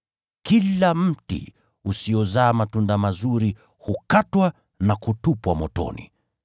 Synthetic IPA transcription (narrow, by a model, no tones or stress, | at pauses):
kilam̩tḭ | usijɔzaːmatundamazuɾi | hukatwa | nakutupwamɔtɔ̰nḭ